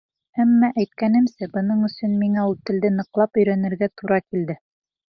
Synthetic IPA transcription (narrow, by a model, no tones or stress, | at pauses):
æmːæʔæjt̪̚kænɘ̆msæbɤ̆nɤɴɵ̆sɵnmiŋæulˠt̪ɘ̆ld̪ɘnɤ̆qlˠɑpɵ̆jɾænɘ̆ɾɡæt̪uɾɑkild̪ɘ